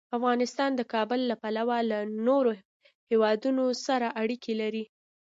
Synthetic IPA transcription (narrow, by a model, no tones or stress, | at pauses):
afɣɑnɪst̪ɑnd̪əkɑbəlːapalawalanoɾo | hewɑd̪unosaɾaʔaɽikʰelaɾi